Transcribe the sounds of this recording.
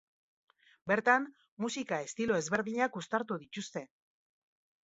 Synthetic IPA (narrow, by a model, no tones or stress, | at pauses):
be̞ɾt̪am | musikae̞st̪ilo̞e̞zβe̞ɾðiɲakust̪aɾt̪̬uðit̪ust̪e̞